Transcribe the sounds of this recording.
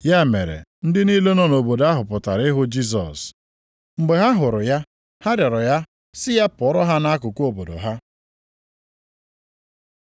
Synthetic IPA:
ja˦mḛ˨ɾḛ˨n̩˦dɪ˦niː˦le˦nɔ˦no˨bo˨da˦ɦʊ˨pʊ˨ta̰˨ɾɪ˦ɦʊ˦d͡ʒi˦s̬ɔ̰˨s | m̩˨ɡ͡be˨ɦa˦ɦʊ˨ɾʊ˨ja˦ | ha˦da˨ɾɔ˨ja˦ | sɪ˦ja˦pɔ˨˦ɾɔ˦ɦa˦na˦kʊ˨kʷo˦˨bo˨do̰˨ɦa˦

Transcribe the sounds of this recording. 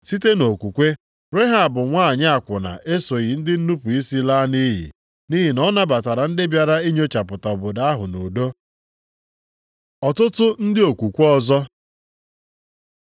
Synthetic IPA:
si˦te˦no˨kʷu˨kʷe˦ | ɾe˦ɦa˨bʊ˨ŋʷaː˦˨ɲ˦a˨kʷʊ˨na̰˨ʔe˦so˨ɣi˨n̩˦dɪ˦n̩˦nu˦pu˨i˦si˦la˦ni˦ɦḭ˨ | ni˦ɦi˨nɔ˦na˦ba˨ta˨ɾa˨n̩˦dɪ˦bja˨ɾa˦i˦ɲ˦o˦t͡ʃa˨pʊ˨ta˨ɔ˨bʊ˨da˦a˦ɦʊ˨no˨do˦ | ɔ˨tʊ˦tʊ˦n̩˦dɪ˦o˨kʷu˨kʷɔ˦zɔ˦

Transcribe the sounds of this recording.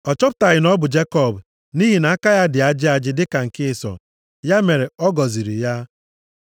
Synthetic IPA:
ɔ˨t͡ʃɔ˦pʊ˨ta˨ɣɪ˨nɔ˦bʊ˨d͡ʒe˦kɔ˦˨b | ni˦ɦi˨na˨˦a˦ka˦ja˦dɪ˨a˨d͡ʒɪ˦a˨d͡ʒɪ˦dɪ˦ka˨ŋ̩˨kɪ˦˨sɔ̰˨ | ja˦me˨ɾe˨ɔ˦ɡɔ˨zi˨ɾḭ˨ja˦

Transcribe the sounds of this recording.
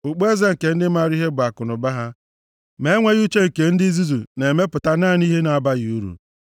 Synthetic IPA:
ʊ˨k͡pe˦ze˦ŋ̩˨ke˨n̩˦dɪ˦ma˦˨ɾi˦ɦe˦ba˨kʊ˨nʊ˨ba˦ɦa˦ | me˦ŋʷe˦ɣu˦t͡ʃe˦ŋ̩˨ke˨n̩˦di˦zu˦zu˨ne˨me˦pʊ˨ta˦naː˦˨n˦i˦ɦe˦na˨a˨ba˦ɣɪ˨u˦ɾṵ˨

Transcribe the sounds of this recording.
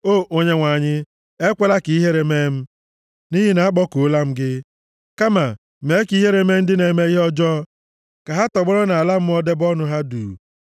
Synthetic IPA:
o˦˨ʔo˦ɲe˦ŋʷa˨ɲɪ˦ | e˦kʷe˦la˦ki˨i˦ɦe˦ɾe˨me˦m̩˦ | ni˦ɦi˦na˨a˦k͡pɔ˦ko˨˦la˦m̩˦ɡɪ˦ | ka˦ma˨ | me˨˦ki˦ɦe˦ɾe˦me˦n̩˦dɪ˦ne˨me˦i˦ɦɔ˦d͡ʒɔ˦ | ka˨ɦa˦tɔ˨ɡ͡bɔ˦ɾɔ˦na˨a˨la˦m̩˦ɔ˦de˦bɔ˦nʊ˦ɦa˦dṵː˨

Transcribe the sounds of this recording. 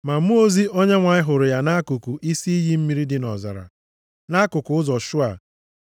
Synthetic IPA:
ma˨˦mu˦o˦zi˦ʔo˦ɲe˦ŋʷa˨ɲɪ˦ɦʊ˨ɾʊ˨ja˨na˦kʊ˨ku˨ʔi˦si˦i˦ɦi˦m̩˦mi˦ɾi˦dɪ˦nɔ̰˨za̰˨ɾa̰˨ | na˦kʊ˨kʊ˨ʊ˦zɔ˨ʃʊ˦a̰˨

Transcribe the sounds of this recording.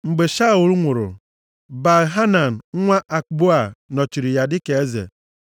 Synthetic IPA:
ŋ͡m̩˨ɡ͡be˨ʃa˦˨ʊ˨ɾu˦ŋʷʊ˨ɾʊ̰˨ | ba˨ɦa˦na˨n̩˨˦ŋʷa˦ʔa˨kɡ͡bo˦a˨nɔ˨t͡ʃi˨ɾi˨ja˨dɪ˦ke˨e˦zḛ˨

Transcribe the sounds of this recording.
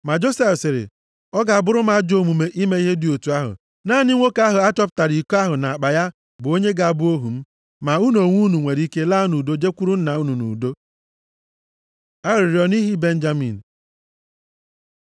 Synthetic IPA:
ma˨d͡ʒo˦se˦fsɪ˨ɾɪ̰˨ | ɔ˦ɡa˨a˨bʊ˦ɾʊ˦ma˦d͡ʒo˦mu˨me˨ʔi˦me˦i˦ɦe˦dɪ˨o˨tu˨˦a˦ɦʊ̰˨ | naː˦˨ni˦ŋʷo˦ka˦ɦʊ˨a˦tɔ˦p̬̚ta˨ɾi˨ko˦a˦ɦʊ˨na˨a˨k͡pa˨ja˦ | bʊ˨o˦ɲe˦ɡa˨a˨bʊ˦o˦ɦu˨m̩˦ | ma˨u˦no˨ŋʷu˦nu˨ŋʷe˨ɾi˦ke˦laː˦nu˨do˦d͡ʒe˦kʷu˦ɾu˦n̩˦na˨u˦nu˨nṵ˨do˦ | a˦ɾɪ˨ɾi˨ɔ˨ni˦ɦi˦be˦n˦d͡ʒa˦mḭ˨n̩˨

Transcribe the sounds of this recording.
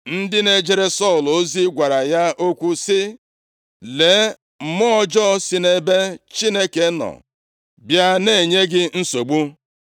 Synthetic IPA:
n̩˦dɪ˦ne˦d͡ʒe˦ɾe˦sɔ˦˨lo˦zi˦ɡʷa˨ɾa˨ja˦o˦kʷu˦sɪ˦ | le˨˦ | mɔ˦d͡ʒɔ˦sɪ˦ne˦be˦t͡ʃi˦ne˦ke˨˦nɔ̰˨ | bja˦ne˦˨ɲe˦ɡɪ˦n̩˦so˨ɡ͡bu˦

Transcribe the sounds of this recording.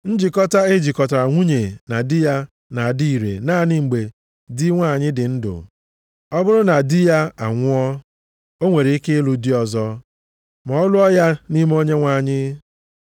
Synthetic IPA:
n̩˦d͡ʒi˨kɔ˦ta˦e˦d͡ʒi˨kɔ˨ta˨a˨ŋʷu˦ɲe˨na˨dɪ˦ja˦ | na˨a˨di˦i˨ɾḛ˨naː˦˨ni˦ŋ͡m̩˨ɡ͡be˨ | dɪ˦ŋʷa˦˨ɲɪ˦dɪ˨n̩˦dʊ̰˨ | ɔ˦bʊ˦ɾʊ˦na˨dɪ˦ja˦a˨ŋʷʊ˦ɔ˦ | o˦ŋʷe˨ɾe˨i˦ke˦lu˨di˦ɔ˨zɔ˦ | mɔ˨˦lʊ˦ɔ˦ja˦ni˦m˦o˦ɲe˦ŋʷa˦˨ɲɪ˦

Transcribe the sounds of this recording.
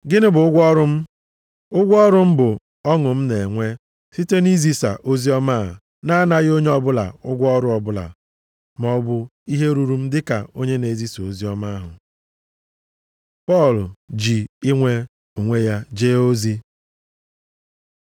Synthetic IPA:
ɡɪ˦nɪ˦bʊ˨ʊ˦ɡʷɔ˦ɾʊ˦m̩˦ | ʊ˦ɡʷɔ˦ɾʊ˦m̩˦bʊ˨ | ɔ˦ŋʊ˨m̩˦ne˨ŋʷe˦ | si˦te˦ni˦zi˦sa̰˨ʔo˦zi˦ɔ˦maː˦˨ | na˦na˦ɣɪ˦o˦ɲe˦ɔ˦bʊ˦la̰˨ʊ˦ɡʷɔ˦ɾʊ˦ɔ˨bʊ˦la̰˨ | m˨˦ɔ˦bʊ˦i˦ɦe˦ɾu˦ɾu˦m̩˦dɪ˦ka̰˨o˦ɲe˦ne˨zi˦so˨zi˦ɔ˦ma˦ɦʊ̰˨ | pɔ˦˨ld͡ʒi˨i˦ŋʷe˦ | o˨ŋʷe˦ja˦d͡ʒeː˦o˦zi˦

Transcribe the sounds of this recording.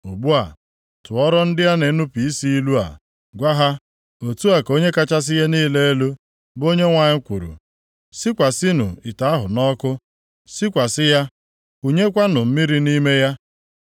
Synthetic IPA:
u˨bu˦a˨ | tʊ˨ɔ˦ɾɔ˦n̩˦dɪ˦ja˦ne˨˦nu˦pi˨i˦si˦i˦lu˦a̰˨ | ɡʷa˦ɦa˦ | o˨tu˦a˨ko˦ɲe˦ka˦t͡ʃa˦s̬ɪ˦je˦niː˦le˦e˦lu˦ | bo˦ɲe˦ŋʷa˨ɲɪ˦kʷu˨ɾṵ˨ | si˦kʷa˨si˦nʊ̰˨i˨ta˨˦a˦ɦʊ˨nɔ˦kʊ˦ | si˦kʷa˨sɪ˦ja˦ | u˨ɲe˦kʷa˦nʊ˨m̩˦mi˦ɾi˦ni˦me˦ja˦

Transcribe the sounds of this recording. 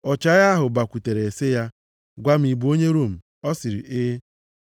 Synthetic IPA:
ɔ˨t͡ʃa˦a˦ɦʊ˨ba˨kʷu˨te˨ɾe˨sɪ˦ja˦ | ɡʷa˦m̩˦i˨bu˨˦o˦ɲe˦ɾo˦˨m̩˨ | ɔ˦sɪ˨ɾḭ˨ʔɪ˦

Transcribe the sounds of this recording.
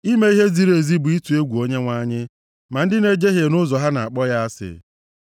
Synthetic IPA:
i˦me˦i˦ɦe˦zi˨ɾe˨zi˦bu˨i˦tu˨e˦ɡʷu˨o˦ɲe˦ŋʷa˦ɲɪ˦ | ma˨n̩˦dɪ˦ne˦d͡ʒe˦ɦje˨nʊ˦zɔ˨ɦa˦na̰˨a˨k͡pɔ˦ja˦a˦sɪ̰˨

